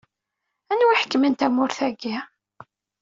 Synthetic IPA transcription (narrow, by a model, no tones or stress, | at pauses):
ænwiħə̥kːəmənt̪æmʊɾθæɡi